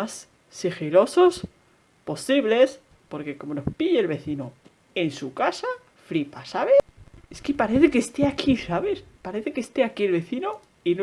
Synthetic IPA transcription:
as | sixiɾo̞so̞s | po̞siβle̞s | po̞ɾke̞ko̞mo̞no̞hpiʝeːlβe̞θino | e̞nsukasa | fɾipasaβ̞eeskepaɾeθe̞kest̪eakʰisaβe̞spaɾe̞θe̞kest̪e̞akielβe̞θino | in

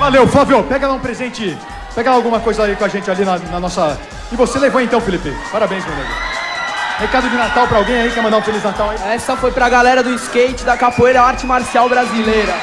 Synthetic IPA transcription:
valewfaviopɛɡɐlaũpɾezẽnt͡ʃɪ | pɛɡɐlawɡũmɐkojzɐaikw̃aʒẽnt͡ʃɪalinɐnɐnɔsɐ | ɪvoselevoẽt̪ɐ̃w̃filipɪpaɾabẽj̃zmewnḛlṵ | hekad̪ʊd͡ʒɪnat̪awpɾɐawɡẽj̃aikɛmɐ̃nd̪aũfeliznat̪awaiɛsɐfojpɾɐɡalɛɾɐd̪ʊɪskejt͡ʃɪd̪ɐkapoejɾɐaɾt͡ʃɪmaɾsiawbɾazilejɾɐ

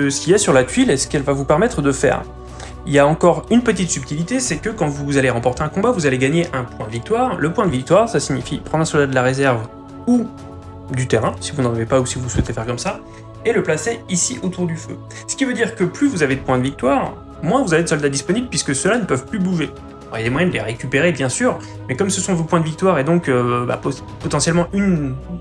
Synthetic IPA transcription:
əsə̥kʲiasyʁlat̪ɥilesə̥kɛlvavupɛʁmɛt̪χəd̪əfɛ̰ːʁ | iljaɑ̃kɔʁynpət̪it̪syp̚t̪ilit̪esɛkəkɑ̃vuzaleʁɑ̃pɔʁt̪eɛ̃kɔ̃bavuzaleɡaɲeʔɛ̃pwɛ̃d̪əvik̚t̪waːʁləpwɛ̃d̪əvik̚t̪waʁsasiɲifḭpχɑ̃d̪ʁɛ̃sɔld̪ad̪əlaʁezɛʁv | u | d̪yt̪eʁɛ̃sivunʁivepausivuswɛt̪efɛʁkɔmsa | eləplaseisiʔot̪uʁd̪yfø̰ | sə̥kʲivød̪iʁkəplyvuzaved̪əpwɛ̃d̪əvik̚t̪waːʁ | mwɛ̃vuzaved̪esɔld̪ad̪ispɔnibləpɥiskəsəlanəpœvplybuʒḛ | ʁijemwajɛ̃d̪əleʁekʲypeʁebjɛ̃syːʁ | mɛkɔmsəsɔ̃vopwɛ̃d̪əvik̚t̪waʁed̪ɔ̃køba̰p | pɔt̪ɑ̃sjɛlmɑ̃ʔyn

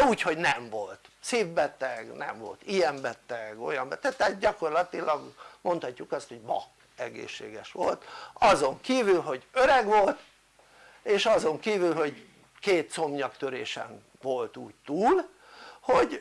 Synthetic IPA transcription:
uːcho̞ɟnɛɱvo̞lt̪seːvbɛt̪ɛɡnɛ̰ɱvo̞̰lt̪ijɛmbɛt̪ɛɡo̞̰jɒmbɛt̪ɛk̚t̪ɛat̪̚ɟɒko̞rlɒt̪ilɒɡmʔo̞nt̪hɒcːukɒst̪ho̞ɟbɒ̰k | ɛɡḛːʃːḛːɡɛʃʋo̞̰lt̪ɒzo̞ŋkiːvylɦo̞ɟøɾɛɡʋo̞lt̪ | eːʃɒzo̞ŋkiːvylɦo̞ɟ | keːt̪so̞mɲɒkt̪øɾeːʃɛ̰n | ʋo̞lt̪uːct̪uːl | hoɟ

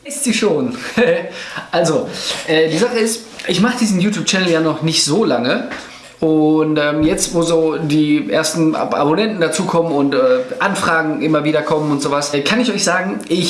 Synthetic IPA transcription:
ɪstz̥iːʃoːn | ʔalzoʔɛːdiːzaχəɪst | ʔɪçmaχədiːzn̩juːtʰjuːp̚t͡ʃɛnl̩jaːnɔχnɪçtz̥oːlaŋə | ʔʊntʔɛːmjɛt͡stvoːzoːdiːʔḛːɐstn̩̰a̰bonɛntn̩dat͡suːkʰɔmənʊntʔɛːʔanfʁ̥aːɡŋ̩ʔɪmɐviːdɐkʰɔmənʊntz̥oːvaskʰanɪçɔʏçz̥aːɡŋ̩ʔɪç

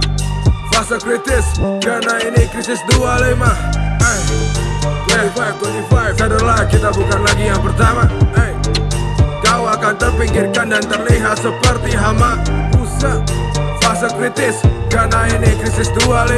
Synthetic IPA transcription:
fasəkɾit̪ɪskɾanainɪkɾisɪsdualəjmahaj | wɛsfaj̚kwɔt̪ifajsadərlakit̪abukanlaɡijaŋpərt̪amaaj | kawakant̪ərpiŋɡɪrkandant̪ərliɦat̪̚səpərt̪iɦamakusəfasəkɾit̪ɪskanainɪkɾisɪsdualə

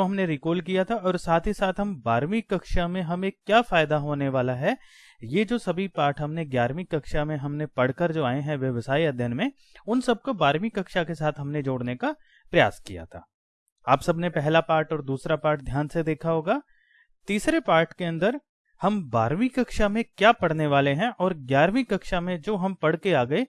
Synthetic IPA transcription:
oɦɐmneɾikoːlkijat̪ʰaɔːɾsaːt̪ʰɦisaːt̪ʰɦɐmbaːɾmikɐkʃamẽɦɐmẽkjaːfaːjɪd̪aɦoːneʋaːlaɦɛ | jed͡ʒoːsɐbʱipaːɾʈɦɐmneɡjaːɾmikɐkʃamẽɦɐmnepɐɽkəɾd͡ʒoːaːẽɦɛ̃ʋjɐʋsaːiɐd̪ʱjənmẽ | ʊnsɐb̚kobaːɾmikɐkʃakesaːt̪ʰɦɐmned͡ʒoːɽneka | pɾɐja̰ːskija̰t̪ʰa̰ː | aːpsɐbnepɛɦlapaːɾʈɔːɾd̪uːsɾapaːɾʈ̚d̪ʱjaːnsed̪eːkʰaɦoːɡaː | t̪iːsɾepaːɾʈkeɐ̃nd̪əɾ | hɐmbaːɾmikɐkʃamẽkjaːpɐɽ̤neʋaːleɦɛ̃ʔɔːɾɡjaːɾmikɐkʃamẽd͡ʒoːɦɐmpɐɽ̤keaːɡɐe

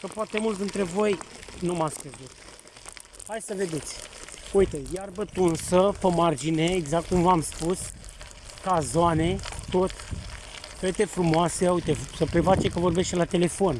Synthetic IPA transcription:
kəpoat̪e̞mult̪d̪int̪ɾe̞vo̞jnumat̪sʲkɾezut̪ | hajsəve̞d̪e̞t̪sʲuit̪e̞jarbət̪unsəpəmard͡ʒine̞ːɡzak̚t̪̚kumvamspus | kazoane̞t̪o̞t̪ | fet̪e̞fɾumoaseujt̪esəpɾevat͡ʃekəvo̞rbe̞ʃt̪elat̪e̞le̞fo̞n

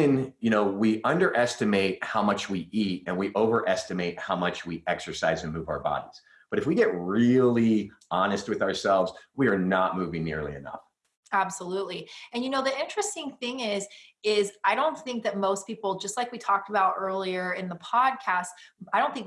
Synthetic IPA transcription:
ɨ̃njɨñoʊwiʔʌ̃ndə˞ʔɛstɨmeɪt̚haʊmʌt͡ʃwiʔitɨ̃nwiʔoʊvə˞ʔɛstɨmeɪt̚haʊmʌt͡ʃwiʔɛksə˞saɪzɨ̃nmuvaʊə˞bɑ̰ɾḭz̥ | b̥ʌɾɨfwiɡɛt̚ɹɪlˠi | ɑñɨst̚wɨðə˞sɛlˠvzwiə˞nət̚muvɪ̃ŋnɪ̰ɹlḭɨ̰nʌ̰f | æb̥səlutˡliɨ̃njɨnoʊðiɪ̃nt͡ʃɹ̥ɨstɪ̃ŋθɪ̃ŋɪz | ɪzaɪɾõʊ̃nθɪ̃ŋk̚ðɨt̚moʊspʰipl̩ˠd͡ʒʌst̚ˡlaɪkwitʰɔk̚təbaʊɾɜ˞lˠiə˞ɪ̃nðəpʰɑd̚kʰæstaɪɾõʊ̃nθɪ̃ŋk

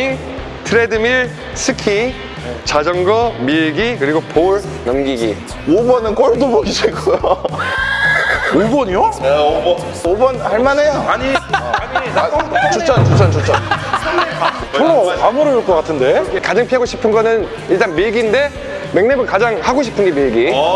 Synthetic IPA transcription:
iŋ | tʰɯɾe̞dɯmiɭ | sʰɯkʰi | t͡ɕad͡ʑʌŋɡʌmiɭɡikɯɾiɡopoɭ | nʌmɡiɡi | obʌnɯnk͈oɭdobʌɡid͡ʑiɡojo | obʌɲo | obʌnhaɭmanejaaɲiaɲi | t͡ɕʰot͡ɕ͈ʰaot͡ɕ͈ʰant͡ɕʰot͡ɕ͈ʰa | poɾoamuɾouɭk͈ʌk͈atʰɯnde̞kad͡ʑaŋpʰiɦaɡoɕʰi̥pʰɯnɡʌnɯn | iɭt͈anmiɭɡinde̞ | me̞ŋne̞bɯnkad͡ʑaŋhaɡoɕʰi̥pʰɯnɡemiɭɡi

